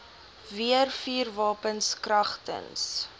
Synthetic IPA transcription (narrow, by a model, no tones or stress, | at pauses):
viərfiːrvɑːpənskrɐχtə̰ns